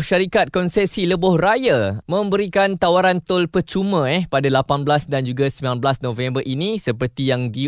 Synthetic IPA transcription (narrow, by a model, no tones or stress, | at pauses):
ʃaɾikat̪̚kɔnsɛsiləbʊhrajamə̃mbəɾikant̪awaɾant̪ʊlpərt͡ʃumə̃ɛhpadalapanblasdand͡ʒuɡasəmbilanblasnõvɛ̃mbərʔinĩsəpərt̪ijaŋdi